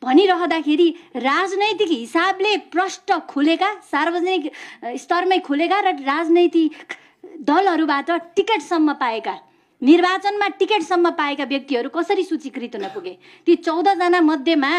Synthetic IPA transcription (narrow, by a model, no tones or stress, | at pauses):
bʱʌniɾʌɦʌd̪akʰeɾirad͡znʌjt̪ikɦisableprʌsʈʌkʰulekasarbʌd͡zʌnikst̪ʌrmʌjkʰulekaɾʌrad͡znʌjt̪i | d̪ʌlɦʌɾubaʈʌʈikeʈsʌmːʌpaeka | nirbat͡sʌnmaʈikeʈsʌmːʌpaekabjʌk̚t̪iʌɾukʌsʌɾisut͡sikrit̪ɦunʌpuɡe | t̪jit͡sʌwd̪ʌd͡zanamʌd̪ʱjema